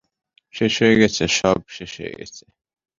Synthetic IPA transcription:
ʃɛʃɛɡɛt͡sʰɛʃab̚ʃɛʃɛ̰ɡɛ̰t͡sʰɛ̥

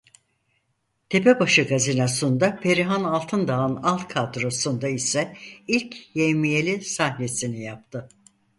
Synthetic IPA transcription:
t̪ʰe̞pebaʃɯɡazinasund̪apʰe̞ɾiɦanalˠt̪ʰɯnd̪aɯnalˠt̪kʰad̪ɾo̞sund̪aisɛilʲcjemije̞lʲisahne̞sinijap̚t̪ʰɯ

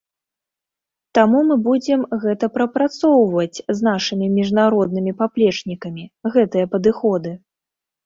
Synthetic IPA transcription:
t̪amumɨbud͡zʲɛmɣɛt̪ɐpɾɐpɾat̪sɔwvɐt͡sʲzn̪aʂɨmʲimʲiʐnaɾɔd̪̚nɨmʲipaplʲɛt͡ʂnʲikɐmʲiɣɛt̪ɨjɐpɐd̪ɨxɔd̪ɨ

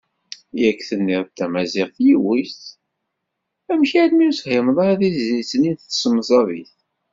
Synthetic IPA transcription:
jækːθənːɪɾt̪ːæmæzɪʁθjiwist̪ | æmçid̪miushɪmðˤɑɾæðizisəninθsəmzˤɑviθ

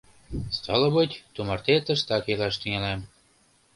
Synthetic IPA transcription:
st̪ʰɑlɤ̆βɤt̪ʲt̪umɑrt̪et̪əʃt̪ɑkelɑʃt̪yŋælɑm

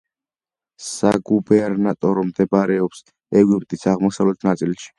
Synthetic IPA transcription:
saɡubɛɾnat̪ʼɔɾɔmd̪ɛbaɾɛɔps | ɛɡwipʼt̪ʼisaʁmɔsavlɛt̪ʰnat̪sʼilʃi̥

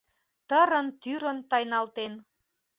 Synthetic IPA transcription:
t̪əɾə̆nt̪yɾə̆nt̪ɑjnɑlt̪en

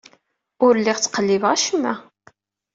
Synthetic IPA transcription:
ʊɾlːɪʁt͡sːqəlːivʁæʃəmːæ̰

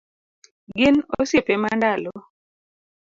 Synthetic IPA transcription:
ɡɪnosjepemandalɔ

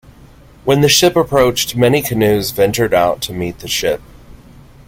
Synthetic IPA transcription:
wə̃nðɨʃɪpəpʰɹ̥oʊt͡ʃt̚mɛnikʰɨnʉzvɛ̃nt͡ʃə˞ɾaʊtʰɨmit̪̚ðɨʃɪp̚

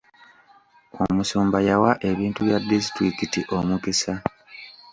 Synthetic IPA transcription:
o̰musuːmbajawaʔe̞βiːntuβjadːis̬tɾikitiʔo̞mukisa

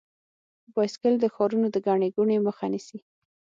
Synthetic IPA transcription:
bɑskəld̪əxɑɾunod̪əɡɑɳeɡuɳeməxanisi

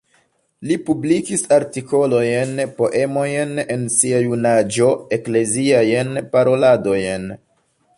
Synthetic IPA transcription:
lipublikisaɾtiko̞lo̞jnpo̞ʔe̞mo̞jne̞nsiajunad͡ʒo̞e̞kle̞ziajnpaɾo̞lado̞jn

